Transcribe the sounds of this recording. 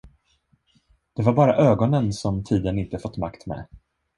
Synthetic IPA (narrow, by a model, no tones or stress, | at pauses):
d̪̥ɛvaɾbɑːɾaʔøːɡɔnənsɔmt̪ʰiːd̪ənɪnt̪əfɔt̪ːmakt̪mɛ̰